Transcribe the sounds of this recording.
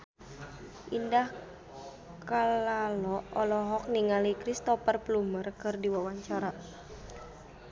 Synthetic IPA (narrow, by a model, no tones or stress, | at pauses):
ʔindah | kalalɔɔlɔɦɔk̚niŋalikɾist̪ɔpərplumərkɨrdiwawaɲt͡ʃaɾa